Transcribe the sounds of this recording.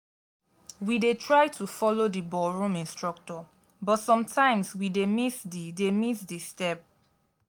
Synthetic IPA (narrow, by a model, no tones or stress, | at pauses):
widetʰɹaɪtʰufɔlodibɔɹũmĩnstɹɔk̚tɔ | bɔtsɔ̃mtʰãɪ̃mswidemisdidemisdistɛp̚